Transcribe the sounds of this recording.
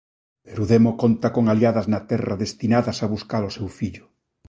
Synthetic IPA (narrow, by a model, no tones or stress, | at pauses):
peɾuðemokont̪akoŋaljaðaznat̪ɛraðest̪inaðasaβuskaɾosewfiʎʊ̥